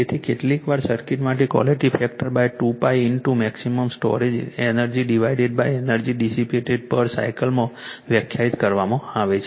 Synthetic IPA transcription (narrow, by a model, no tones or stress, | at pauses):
et̪ʰikeʈlikʋaɾsəɾkiʈmaʈ̬ekʋɔ̰liʈifɛk̚ʈəɾbajʈupajɪnʈumɛksiməmsʈɔ̰ɾed͡ʒenəɾd͡ʒiɖiʋaiɖeɖ̚bajenəɾd͡ʒiɖisipuʈeɖ̚pəɾsa̰ikəlmãʋjəkʰjait̪kəɾʋamãaʋet͡ʃʰe